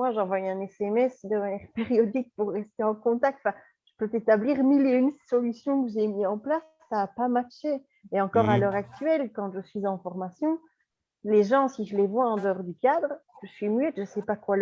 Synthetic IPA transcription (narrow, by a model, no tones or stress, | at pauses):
mwaʒɑ̃vwajɛ̃nɛsɛmɛsd̪əmanjɛʁpeʁjɔd̪ik̚puʁːɛst̪eɑ̃kɔ̃t̪ak̚t̪ɑ̃fɛ̃ | t̪ə̥pøt̪et̪abliʁmileynsɔlysjɔ̃kəʒemiɑ̃plasːaːpamaʁʃe | eɑ̃kɔʁalœʁak̚t̪ɥɛlkɑ̃ʒəsɥizɑ̃fɔʁmasjɔ̃ | leʒɑ̃siʒəlevwaɑ̃d̪əɔʁd̪ykad̪ʁkəʒəsɥimɥɛt̪ʒəsɛpakwal